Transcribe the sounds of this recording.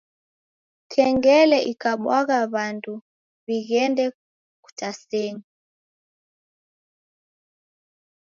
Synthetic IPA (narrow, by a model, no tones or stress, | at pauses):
kʰɛŋɡɛlɛʔikaɓwaɣaβandu | βiɣɛndɛ | ku̥tasɛŋi